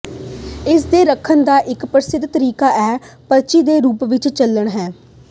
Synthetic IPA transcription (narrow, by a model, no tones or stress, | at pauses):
ɪsd̪eːɾəkʰːənd̪aːʔɪkpɾəsɪd̪t̪əɾiːkaːʔɛːpəɾt͡ʃiːd̪eːɾuːpʋɪt͡ʃt͡ʃəlːəɳɦɛː